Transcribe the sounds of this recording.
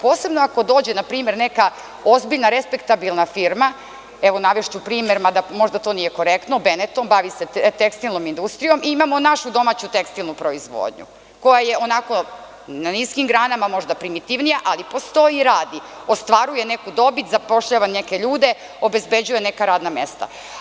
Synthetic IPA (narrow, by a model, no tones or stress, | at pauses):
poːse̞bnoako̞d̪oːd͡ʑenapɾiːme̞ɾne̞ka | o̞zbiʎnaɾespekt̪abilˠnafiɾma | eʋo̞naʋeʃt͡ɕupɾiːmeɾmad̪amo̞ʒd̪at̪o̞nije̞ko̞ɾekt̪nobenet̪ombaʋiset̪ekst̪ilˠno̞mind̪ust̪ɾijo̞miimamo̞naʃud̪o̞mat͡ɕut̪e̞kst̪ilˠnupɾoizʋo̰ːd̪ɲṵ | ko̞jaje̞o̞nako̞ | naniskimɡɾaːnamamo̞ʒd̪apɾimit̪iʋnijaʔalipo̞st̪o̞jiɾaːd̪io̞st̪ʋaɾuje̞nekud̪o̞bit̪zapo̞ʃʎaːʋanneke̞ʎuːd̪e̞ | o̞be̞zbed͡ʑuje̞nekaɾaːd̪name̞̰st̪a̰